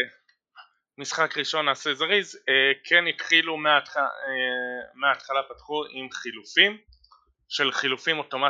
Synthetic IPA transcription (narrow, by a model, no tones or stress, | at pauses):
misχakʁiʃo̞nasezaʁizekʰenit̪χilumeataemeat̪χalapatχuʔimχilufim | ʃe̞lχilufimo̞to̞ma